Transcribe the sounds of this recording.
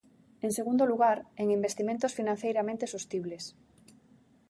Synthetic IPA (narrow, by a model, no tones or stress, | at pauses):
eŋseɣund̪oluɣaɾeŋimbest̪imẽnt̪osfinãn̟θejɾamẽnt̪esost̪iβles